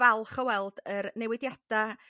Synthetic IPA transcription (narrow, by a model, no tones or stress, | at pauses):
ɛlˠχəwɛlˠdəɾnɛwɪdjad̥a